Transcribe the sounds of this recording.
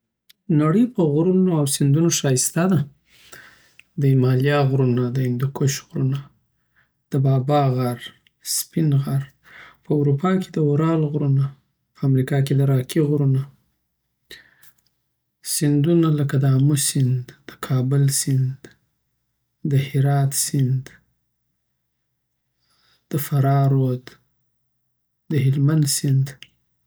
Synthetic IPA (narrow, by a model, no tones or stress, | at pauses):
naɽəjpəɣɾunoawsɪnd̪unoʃɑjɪst̪ad̪a | d̪əimɑljɑɣɾunad̪əɪnd̪ɪkʰoʃɣɾuna | d̪̥əbɑbɑɣaɾ | spɪnɣaɾ | pəwɾupɑke̥d̪əuɾɑlɣɾuna | pəamɾikɑked̪əɾɑkʰiɣɾuna | sɪnd̪unaləkad̪əamusɪnd̪ːəkʰɑbəlsɪnd̪ | d̪əhɪɾɑt̪sɪnd̪ | d̪̥əfaɾɑɾod̪ | d̪əhɪlmand̪sɪnd̪